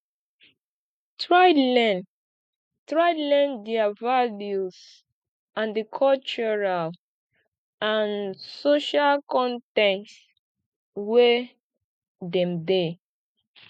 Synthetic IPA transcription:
tɹalɛ | tɹaɪlɛ̃ndɛavaljus | ãndikʰɔlt͡ʃɔɹal | ãnsoʃalkɔ̃ntɛ̃kt | we | dɛ̃mde

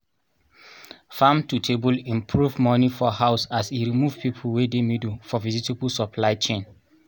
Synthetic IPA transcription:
fãmtutʰebulĩmpʰɹuvmɔnifɔhaʊsasiɹimuv̥pipʰulwedemidufɔvizitebulsɔpʰlaɪt͡ʃẽn

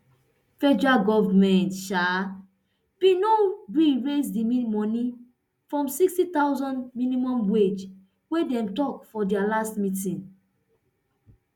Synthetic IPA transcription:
fɛd͡ʒuɹaɡɔvamɛ̃ntʃa | pĩnoɹiɹesdimimɔ̃ni | fɹɔ̃msikstitawzɔ̃ndmĩnĩmɔ̃mwed͡ʒ | wedɛ̃mtɔkfɔdialastmitĩn

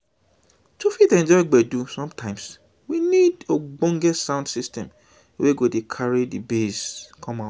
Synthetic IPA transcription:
tufitɛ̃nd͡ʒɔɪɡ͡bɛdusɔ̃mtʰãɪ̃ms | winidoɡ͡bõŋɡɛsãʊ̃ndsistɛ̃m | wʔeɡodekʰaɹidibeskʰɔ̃ma

